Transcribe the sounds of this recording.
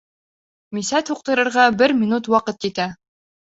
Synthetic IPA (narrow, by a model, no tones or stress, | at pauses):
misæt̪ʰuq̚t̪ɤ̆ɾɤ̆ɾʁɑbɘɾmʲinut̪wɑqɤt̪jit̪æ